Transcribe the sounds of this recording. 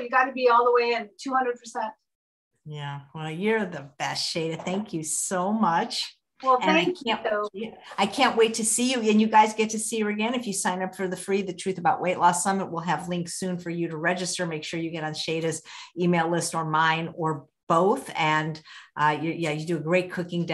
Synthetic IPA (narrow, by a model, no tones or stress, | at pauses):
ʊjɨɡɑɾɨbiɔlˠðəweɪɨ̃ntʰuhʌ̃ndɹəd̚pʰə̥˞sɛ̃nt̚ | jæwɛlˠjə˞ðɨbɛstʃeɪɾɨθæ̃ŋkʰjɨsoʊmʌt͡ʃ | wɛlˠɨ̃naɪkʰæ̃noaɪkʰæ̃nʔweɪtʰɨsijɨɨ̃njɨɡaɪzɡɛtʰɨsijə˞ɨɡɛ̃nɨfjɨsãɪ̃nʌpfə˞ðɨfɹiðɨtʰɹ̥ʉθəbaʊʔwʔeɪʔˡlæstsʌ̃mə̃t̚wɪlˠɨvlɪ̃ŋksʉ̃nfə˞jɨɾəɹɛd͡ʒɨstə˞meɪkʃʊɹjɨɡɛɾn̩ʃeɪɾɨzimeɪlˠɪstə˞mãɪ̃nə˞ | b̥oʊθɨ̃nʔjə˞jæjɨdɨɨɡɹeɪt̚kʰʊkɪ̃ŋd